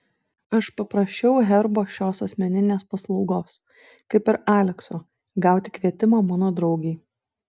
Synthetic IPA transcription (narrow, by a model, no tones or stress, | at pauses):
ɐʃpɐpɾɐsʲt͡ʃʲɛʊɦʲɛɾboːʃʲoːsɐsʲmʲɛnʲɪnʲeːspɐslˠɒʊɡoːs | kɐɪpɪɾɑːlʲɛksoː | ɡɑˑʊt̪ʲɪkʋʲiɛt̪ʲɪmoːmɑːnoːd̪ɾɒʊɡʲɛɪ